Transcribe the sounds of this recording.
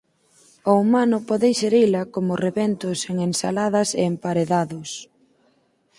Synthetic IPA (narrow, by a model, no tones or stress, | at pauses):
oumanʊpɔðejseɾilɐkomʊreβent̪ʊseŋensa̰laðɐseːmpaɾeðaðʊs